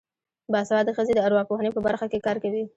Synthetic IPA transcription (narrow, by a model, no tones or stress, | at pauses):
bɑsawɑd̪əxəzed̪əaɾwɑpohanepəbaɾxakekɑɾkawi